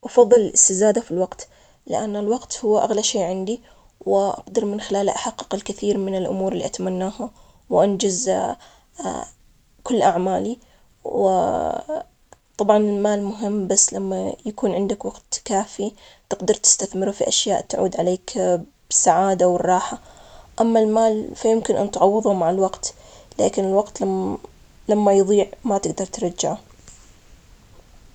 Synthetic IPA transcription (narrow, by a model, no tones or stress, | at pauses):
ʔɑfɑðˤːɨlɪlʔɪst̪ɪzaːd̪afilwɑqt̪ | lɪ̰ʔanːɪlwɑqt̪hʊwːaʔaɣlaʃeːʕɪnd̪i | wɪʔɑ̰qd̪ɑɾˤmɪnxɪlaːlaʔaħɑqːɨ̥qɪlkɪθiːɾmɪnɪlʔʊ̰muːɾɪlːḭʔat̪amanːaːha | wʔand͡ʒaz | kʊlːʔaʕmaːli | wɪ̰ | t̪ˤɑbʕɑnɪlmaːlmʊɦɪmːbasːlamːajakuːnʕɪnd̪akwɑɡ̥t̪kaːfi | t̪ɪɡd̪ɑɾˤt̪ɪ̥st̪aθmɪɾufiʔaʃjaːʔt̪ʕṵːd̪ʕaleːkb̥ɪsaʕaːd̪awɪrˤːɑːħaʔamːalmaːlfajɪmkɪnʔa̰nt̪ʕɑwːɨðˤumaʕalwɑɡt̪la̰ːkɪnɪlwɑɡt̪ | lamːajðˤiːʕmat̪ɪɡd̪ɑɾˤt̪ɾˤɑd͡ʒːaʕa